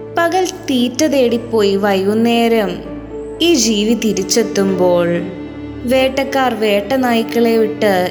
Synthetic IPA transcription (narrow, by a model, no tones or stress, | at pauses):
pɐɣɐlt̪iːtːɐðe̞ːɽipːo̞ːjiʋɐjunːeːɾɐm | iːd͡ʑiːʋit̪iɾit͡ɕːet̪ːumbo̞ːɭ | ʋe̞ːʈːɐkːaːrʋe̞ːʈːɐnaːjikːɐɭe̞ʋiʈːɨ